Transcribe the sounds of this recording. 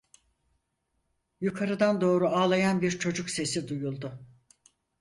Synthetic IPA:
jukʰaɾɯd̪and̪o̞ːɾuaːlˠajanbiɾt͡ʃʰo̞d͡ʒukse̞sid̪ujulˠd̪ʊ

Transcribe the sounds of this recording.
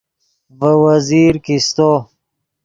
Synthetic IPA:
vəwəziːɾkist̪o

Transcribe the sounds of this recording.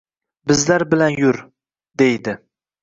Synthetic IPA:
bɪzlaɾbɪlanjʊɾ | d̪ejd̪ɪ

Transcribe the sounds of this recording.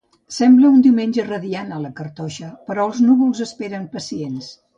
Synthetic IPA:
sɛmbləund̪iwmenʲd͡ʒərəðianələkəɾt̪ɔʃəpəɾɔəlˠznuβulˠzəspeɾəmpəsiens

